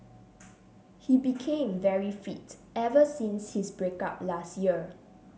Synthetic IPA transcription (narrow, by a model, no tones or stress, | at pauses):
hibikʰẽmvɛɹifitɛvəsĩnshisbɹeka̰p̚lastjiə